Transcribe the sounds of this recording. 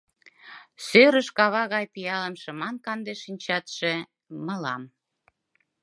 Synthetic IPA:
søɾəʃkɑβɑɣɑjpijɑləmʃə̆mɑnkɑnd̪eʃinʲt͡ɕɑt̪ʃe | məlɑm

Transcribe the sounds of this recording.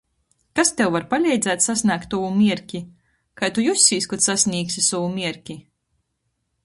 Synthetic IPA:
kast̪ewvaɾpalʲɛjd̪zæːt̪sasʲnʲaːkt̪ːuwumʲiɛɾkʲi | kajt̪ujusʲːiːskɔt̪sasʲnʲiːksʲisɔwumʲiɛɾkʲi

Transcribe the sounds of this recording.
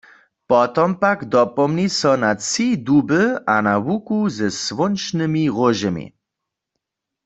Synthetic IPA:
pɔt̪ɔmpaɡd̪ɔpɔmnisɔnat͡sidubəʔanawukuzɛsʋʊnt͡ʃnɨmiʁoʒɛmḭ

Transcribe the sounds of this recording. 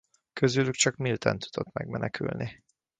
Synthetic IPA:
køzylykt͡ʃɒkmilt̪ʰɛnt̪u̥d̪̥o̞t̪mɛɡmɛnɛkʰy̰lnʔi

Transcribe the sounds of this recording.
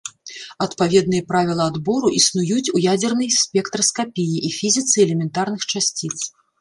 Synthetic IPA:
ɐt̪pavʲɛd̪̚nɨjɛpɾavʲilˠɐːd̪bɔɾuʔisnujut͡sʲujad͡zʲɛrnɨjsʲpʲɛkt̪ɾɐskapʲijiʔifʲizʲit̪sɨɛlʲɛmʲɛnt̪arn̪ɨxt͡ʂasʲt͡sʲit̪s

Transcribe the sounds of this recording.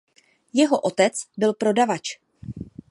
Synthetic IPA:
jɛɦo̞ʔo̞t̪ɛt͡sbɪlpɾo̞davat͡ʃ

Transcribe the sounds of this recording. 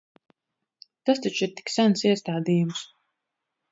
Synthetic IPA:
t̪ast̪at͡ʃiɾt̪i̥ksænsiɛst̪aːd̪ijums

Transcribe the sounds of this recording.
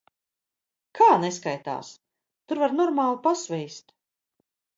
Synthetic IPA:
kʰaːneskajt̪a̰ːs | t̪uɾvaɾnɔɾmaːlˠupasvɛjst̪

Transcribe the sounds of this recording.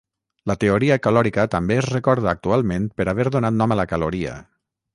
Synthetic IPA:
lət̪eoɾiəkəlɔɾikət̪əmbeːzrekɔɾð̞əːk̚t̪ualˠmenpəɾaβ̞ɛɾðonat̪nɔmələkaloɾiə̰

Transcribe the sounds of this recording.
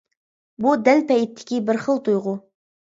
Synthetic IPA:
bud̪ælpʰɛjit̪ʰːɪ̥kʲʰibɪɾχəlˠt̪ʰujʁʊ

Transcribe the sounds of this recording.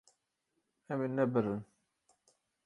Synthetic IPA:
æminːæbəɾːən

